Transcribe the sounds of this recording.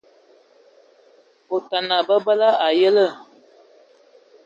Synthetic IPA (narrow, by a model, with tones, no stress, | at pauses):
o˨ta˨na˨bə˦bə˦la˦ʔa˨jə˦lə˦˨